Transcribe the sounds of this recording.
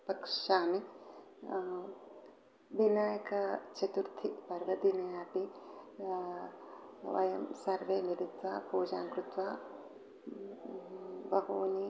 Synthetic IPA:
pɐkʃaːmi | binaːjɐkɐt͡ʃɐt̪uɾt̪ʰipɐɾʋɐd̪inɐjaːpi | ʋɐ̰jɐmsɐɾʋeːniɾit̪ʋaːpuːd͡ʒaːŋkɾut̪ʋaː | bɐɦoːni

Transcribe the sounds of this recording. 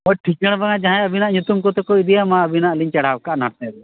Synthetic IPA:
bɔʈʰik̚d͡ʒəɽ̃baŋad͡ʒãɦãjəbʱinaʔɲut̪umkɔt̪ɔkoid̪ijamãəbʱinaʔliɲt͡ʃɛɽ̤awkaʔnaʈt̪ɛ̃d̪u

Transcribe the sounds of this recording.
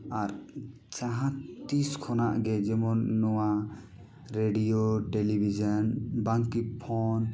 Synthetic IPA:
aɾ | t͡ʃaɦãtt̪iskʰɔnaʔɡɛd͡ʒɛmɔnːɔwa | ɾeɖijoʈelibʱid͡ʒanbaŋkipʰɔn

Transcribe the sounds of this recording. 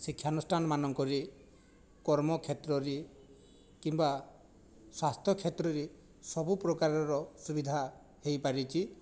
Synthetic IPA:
sikʰːjanɔsʈʰanɔmanɔŋkɔɾi | kɔɾmɔkʰet̪ɾɔɾi | kimba | swast̪ʰjɔkʰet̪ɾɔɾi | sɔbupɾɔkaɾɔɾɔsubid̪ʱa | hejpaɾit͡ʃʰi

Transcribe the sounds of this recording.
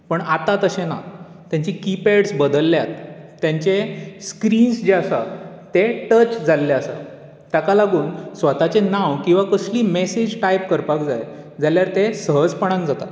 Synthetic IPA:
pəɳat̪at̪əɕena̰ | t̪jãɲt͡ɕikipeɽsbəd̪əlːjat̪ː | jãɲt͡ɕeskɾiːnsd͡ʑeasa̰ | t̪eʈət͡ɕd͡zʱalːeasa̰ | t̪akalaɡuːnsʋət̪at͡ɕenãwkĩw̃ʋakəsliːmesed͡ʑʈajp̚kəɾpakd͡zaj | d͡zaljaɾt̪esəɦəd͡zpəɽ̃ãnd͡zat̪at̪

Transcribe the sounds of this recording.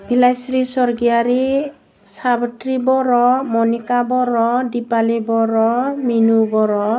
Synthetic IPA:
b̥ilajsɾisɔɾɡijaɾi | sabtɾibɔɾɔmɔnikabɔɾɔdipalibɔɾɔminubɔɾɔ

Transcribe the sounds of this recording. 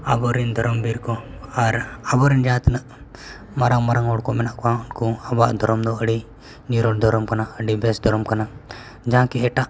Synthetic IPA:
abɔɾind̪ʱɔɾɔmbiɾkɔaɾabɔɾind͡ʒãt̪nəʔ | maɾaŋmaɾaŋɔɽkɔmɛnaʔkɔãunkuabaʔd̪ʱɔɾɔmd̪ɔəɽi | niɾɔɽd̪ʱɔɾɔmkanaəɖibɛsd̪ʱɔɾɔmkana | d͡ʒaɦãkiɦɛʈaʔ

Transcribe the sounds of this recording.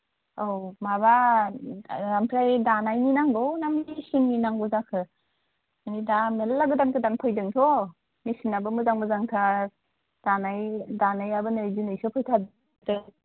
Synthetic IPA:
awmaba | ɾamtʰɾajdanajninaŋɡownamisinːinaŋbuzakʰɯ | anidamelːaɡɯdankʰɯdanpʰɯjdɯŋtʰɔ | misinabɯmuzaŋbɯzaŋtʰa | d̥anajdanajabɯnɯzinɯjsɔpʰɯjtʰad | dɯ

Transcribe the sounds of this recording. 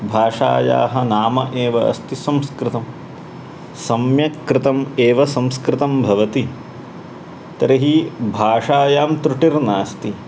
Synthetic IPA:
bʱaːʂa̰ːja̰ːɦɐnaːmɐʔeːʋɐɐ̰st̪isɐmskɾɪt̪ɐm | sɐmjɐkɾɪt̪ɐmeːʋɐsɐmskɾɪt̪ɐmbʱɐʋɐt̪i | t̪ɐɾɐɦibʱaːʂaːjaːmt̪ɾuʈiɾnaːst̪i

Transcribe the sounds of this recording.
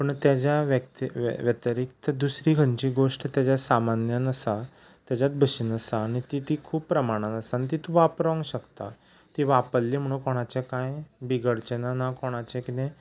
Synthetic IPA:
pəɳt̪jad͡ʑjaʋək̚t̪ḭʋjət̪əɾik̚t̪əd̪usɾiɡʱəɲt͡ɕiːɡoʂʈt̪jat͡ɕjasamanjənəsa | t̪jad͡ʑjat̪̚bʱəɕiːnəsaːɽ̃it̪it̪iːkʰuːppɾəmaɽ̃ãnəsaːnit̪it̪ũʋapɾʋə̃ŋɡɕəkt̪a̰ | t̪iːʋapəlliːm̤əɽ̃ũkoɽ̃at͡ɕakãjbiɡəɽt͡ɕənanakoɽ̃at͡ɕẽkit̪ẽ

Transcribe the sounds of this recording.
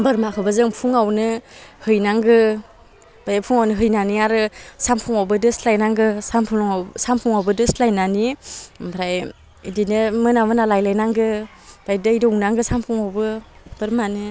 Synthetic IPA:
bɯɾmakʰɯbɯzɯŋpʰuŋawnɯhɯjnaŋɡɯ | b̥ʰʱajapʰuŋawnɯɦɯjnaniaɾɯsampʰuŋawbɯdɯslajnaŋɡɯsampʰuŋsampʰuŋawbɯdɯstlajnanibɾaj | idinɯmɯnamɯnalajlajnaŋɡɯ | bʰɾajdɯjdɔŋnaŋɡɯsampʰuŋawbɯb̥ɯɾmanɯ

